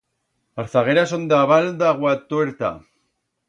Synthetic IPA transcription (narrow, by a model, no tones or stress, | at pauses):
aɾθaɣeɾasond̪aβald̪aɣwat̪oeɾt̪a̰